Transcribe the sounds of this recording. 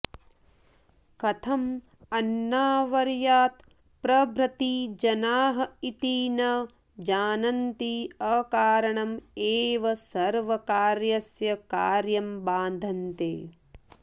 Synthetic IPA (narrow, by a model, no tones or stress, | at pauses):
kɐt̪ʰɐm | ɐnːaːʋɐɾjaːt̪ | pɾɐbɾɐt̪iːd͡ʒɐnaːɦɐit̪iːnɐ | d͡ʒaːnɐnt̪iɐkaːɾɐɳɐmeːʋɐsɐɾʋɐkaːɾjɐsjɐkaːɾjɐmbaːnd̪ʱɐnt̪eː